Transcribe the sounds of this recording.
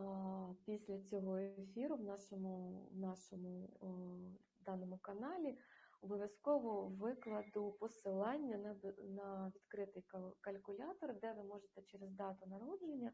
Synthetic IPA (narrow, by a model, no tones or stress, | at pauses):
pʲisʲlʲɐt͡sʲɔɦɔefʲiɾʊwnɑʃɔmʊwnɑʃɔmʊ | d̪ɑnɔmʊkɐnɑlʲiɔbɔʋʲjɐskɔʋɔɔʋɪklˠɐd̪ʊpɔsɪlˠɑnʲːɐnnɐʋʲid̪kɾɪt̪ɪjkɐlʲkʊlʲɑt̪ɔrd̪ɛʋɪmɔʒet̪ɛt͡ʃeɾezd̪ɑt̪ʊnɐɾɔd̪lenʲːɐ